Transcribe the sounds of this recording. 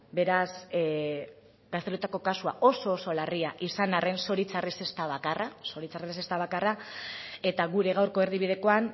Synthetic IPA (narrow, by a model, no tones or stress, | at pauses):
be̞ɾas | ɡast̪eɾut̪ako̞kasuaʔo̞so̞ːso̞lariaʔisanare̞nso̞ɾit͡sarese̞st̪aβakaraso̞ɾit͡sares̬est̪aβ̞akara | e̞t̪aɣuɾe̞ɣawɾko̞eɾðiβið̞e̞ko̞an